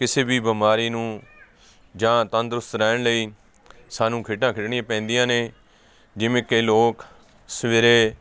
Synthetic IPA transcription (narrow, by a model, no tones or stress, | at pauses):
kɪseːbiːbəmaːɾiːnũː | d͡ʒãːt̪ə̃nd̪ɾʊst̪ɾɛːɳləiː | saːnũːkʰɪːʈãːkʰɪʈɳɪjãːpɛ̃ːnd̪ijãːneː | d͡ʒɪmẽːkəːloːk | sʋeːɾeː